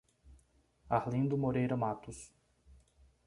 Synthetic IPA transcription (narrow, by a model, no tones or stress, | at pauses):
ahlĩnd̪ʊmoɾejɾɐmat̪ʊs